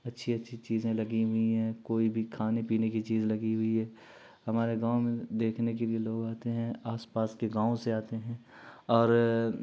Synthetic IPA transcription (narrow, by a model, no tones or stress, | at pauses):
ɐtːʃʰiɐtːʃʰit͡ʃiːzẽlɐɡiɦʊiɦɛ̃koːibʱikʰaːnepiːnekit͡ʃiːzlɐɡiɦʊiɦɛː | hɐmaːɾeɡaːõmẽd̪eːkʰnekelieloːɡaːt̪eɦɛ̃aːspaːskeɡaːõseaːt̪eɦɛ̃ɔːɾ